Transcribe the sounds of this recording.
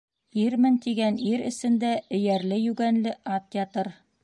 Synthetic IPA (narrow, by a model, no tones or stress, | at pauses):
iɾmɘnt̪iɡæniɾɘ̆sɘ̆nd̪æɘ̆jæɾlɘjʉɡænlɘʔɑt̪̚jʲɑt̪ɤɾ